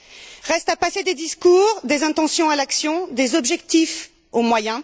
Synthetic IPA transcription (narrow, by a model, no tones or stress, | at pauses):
ʁɛst̪apased̪ed̪iskuːʁd̪ezɛ̃t̪ɑ̃sjɔ̃alaksjɔ̃d̪ezɔbʒɛkt̪if | omwajɛ̃